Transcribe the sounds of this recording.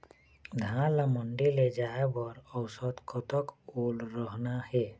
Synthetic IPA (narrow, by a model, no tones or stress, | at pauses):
d̪ʱãlaməɳɖiled͡ʒaebɔɾɔwsɔt̪kɔt̪ɔkolɾɔɦnahɛ